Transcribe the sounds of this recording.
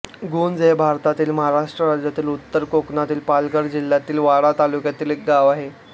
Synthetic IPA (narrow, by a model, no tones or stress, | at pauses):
ɡond͡zebʱaɾt̪at̪iːlməɦaɾaʂʈɾəɾad͡ʑjat̪iːlut̪ːəɾkoknat̪iːlpalɡəɾd͡ʑil̤ːjat̪iːlʋaɽat̪alukjat̪iːlek̚ɡaʋaɦe